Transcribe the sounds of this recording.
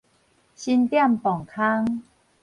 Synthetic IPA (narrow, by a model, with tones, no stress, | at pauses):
ɕi˧nt̪ja˥˩mpɔ˨˩ŋkʰa˦˥ŋ